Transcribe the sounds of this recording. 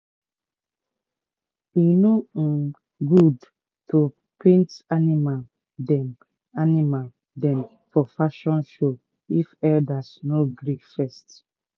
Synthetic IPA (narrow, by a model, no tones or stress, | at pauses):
ino | ɡud | to | pʰẽntanimal | dɛm | animal | dɛ̃m | fɔfaʃɔ̃nʃo | ifɛdasnoɡɾikfɛst